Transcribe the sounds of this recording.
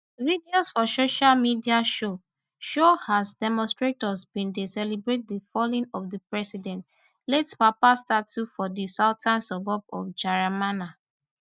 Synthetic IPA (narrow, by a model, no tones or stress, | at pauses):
videosfɔsoʃalmidiaʃo | ʃohazdɛmɔ̃nstɹetɔsbĩndesɛlibɹet̚difɔlĩnɔfdəpɹɛsidɛ̃nt | lɛtspapastatufɔdisaʊtʰãnsɔbɔbɔ̰fd͡ʒaɹamana